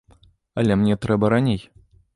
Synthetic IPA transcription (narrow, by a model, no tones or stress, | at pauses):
ɐlʲɛmnʲɛt̪ɾɛbɐɾanʲej